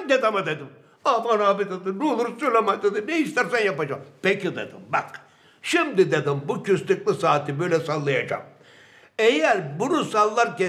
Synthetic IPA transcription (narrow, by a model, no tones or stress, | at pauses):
d̪ed̪amad̪ed̪im | abanaːbid̪ed̪inulˠuɾsylʲamajd̪ed̪ineiʃt̪æɾsænjapad͡ʒapecʰid̪ḛd̪ḭmbak | ʃimd̪id̪ed̪imbucʰyst̪yklˠɯsaːt̪ʰibøjlʲɛsalˠːajad͡ʒa̰m | ejæɾbunusalˠːaɾcɛ